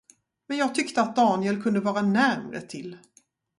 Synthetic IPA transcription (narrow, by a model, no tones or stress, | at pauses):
mɛnjɑːɡ̚t̪ʰʏkt̪əat̪̚d̪ɑːnɪɛlkʰɵnd̪əvɑːɾanæɾmɾə̰t̪ʰɪl